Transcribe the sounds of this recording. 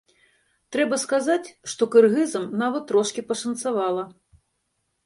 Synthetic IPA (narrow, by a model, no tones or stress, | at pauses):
t̪ɾɛbɐskazat͡sʲʂt̪ɔkɨrɣɨzɐmnavɐt̪ːɾɔʂkʲipɐʂɐnt̪savalˠɐ